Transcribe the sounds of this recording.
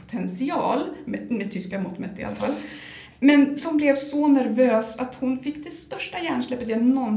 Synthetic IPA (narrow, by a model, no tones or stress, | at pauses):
ʊ̥t̪ʰɛnsɪɑ̰ːlmmɛt̪ʰʏskamʊt̪mɛt̪ːɪ̰a̰lːafa̰lː | mɛnsɔmblɛvsɔnæɾvøːsat̪hʊnfɪkːd̪ɛst̪œʂʈajæːɳʂɭɛpːət̪ɛnːɔn